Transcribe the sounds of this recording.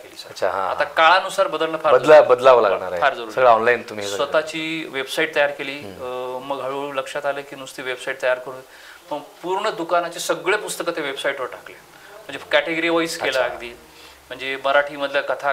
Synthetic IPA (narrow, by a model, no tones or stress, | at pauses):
keliːsəɾət͡ɕʰa̰ɦã̰a̰t̪akaɭanusaɾbəd̪əlɳəfaɾəlabəd̪laʋəla̰ɡɳa̰ɾfaɾd͡zəɾuːsəɡɭaɔnlaint̪um̤isʋət̪at͡ɕiːʋebsaiʈ̚t̪əjaɾkeliːməɡɦəɭuləkʂat̪alekiːnũst̪iːʋebsaiʈ̚t̪əjaɾkəɾũn | pəɡpuɾɳəd̪ukanat͡ɕesəɡɭepust̪əkət̪eʋebsaiʈʋoʈakle | m̤əɳd͡zekæʈeɡəɾiːʋɔiskelaɡd̪iː | m̤əɳd͡zeməɾaʈʰiːməd̪ʱjakət̪ʰa